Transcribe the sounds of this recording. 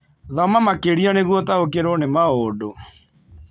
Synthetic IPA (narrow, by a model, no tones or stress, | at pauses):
ðɔmamakeɾiɔneɣwɔtaokeɾonemaodo